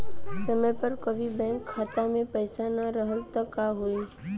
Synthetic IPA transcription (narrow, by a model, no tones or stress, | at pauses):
səməjpəɾkəʋibɛ̃ːŋkʰːaːt̪amẽpəjsanaɾəɦəlt̪əkaɦoe